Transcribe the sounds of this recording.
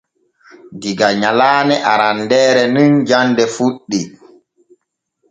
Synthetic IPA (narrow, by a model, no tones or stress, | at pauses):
diɡaɲalaːnɛʔaɾandɛːɾɛnind͡ʒandɛfuɗːi